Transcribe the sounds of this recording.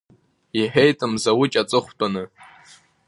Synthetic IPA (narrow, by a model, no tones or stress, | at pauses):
iħᶣe̞jtʼɨmzawʊt͡ʃʼat͡sʼɨχʷtʼanɨ